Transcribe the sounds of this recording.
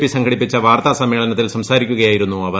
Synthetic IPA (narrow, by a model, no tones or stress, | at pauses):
pːisɐŋɡʱɐɽipːit͡ɕːɐʋaːrt̪ɐsɐmːe̞ːɭɐnɐt̪ːilsɐmsaːɾikʲːuɣɐjaːjiɾunːuɐʋɐ